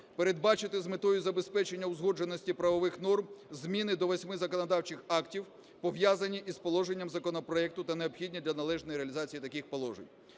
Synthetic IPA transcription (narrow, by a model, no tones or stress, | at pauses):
peɾed̪̚bɑt͡ʃɪt̪ɪzmet̪ɔjʊzɐbe̞spɛt͡ʃenʲːɐwzɦɔd͡ʒenɔsʲtʲipɾɐʋɔʋɪxnɔrmzmʲinɪd̪ɔʋɐsʲmɪzɐkɔnɐd̪ɑwt͡ʃɪxɑktʲiw | pɔʋjazɐnʲiʔispɔlˠɔʒenʲːɐmzɐkɔnɔpɾɔɛk̚t̪ʊt̪ɐneɔbxʲidʲnʲid̪lʲɐnɐlˠɛʒnɔjiɾeɐlʲizɑt͡sʲijit̪ɐkixpɔlˠɔʒenʲ